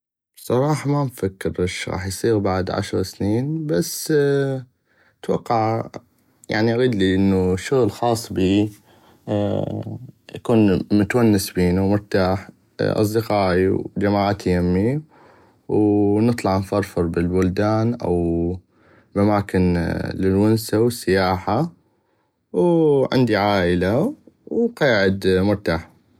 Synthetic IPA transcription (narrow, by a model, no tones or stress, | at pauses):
sˤɑɾˤɑːħɑmamfakːɪɾʔaʃɣɑ̰ːħjsˤiːɣbaʕd̪ʕa̰ʃɾˤɑsniːnbas | t̪wɑqːɑʕ | ja̰ʕniʔaɣiːd̪liʔɪnːuʃːʊɣlxɑːsˤːbiː | jakuːnmʊt̪wanːɪsbiːnumʊɾt̪aːħ | ʔɑ̰s̬ˤd̪ɪqɑːʔḭwd͡ʒamaːʕat̪jamːi | wnɨt̪ˤlɑʕnfɑɾˤfɑɾˤbɪlbʊld̪aːnʔa̰w | bʔamaːkɪnlɪlwʊnsawɪsːɪjaːħa | wʕɪ̰nd̪iʕaːʔɪlawqɑːʕɪd̪mʊɾt̪aːħ